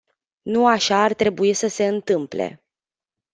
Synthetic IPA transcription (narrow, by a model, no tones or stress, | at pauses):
nuaʃaːrt̪ɾe̞buisəse̞ɨnt̪ɨmple̞̰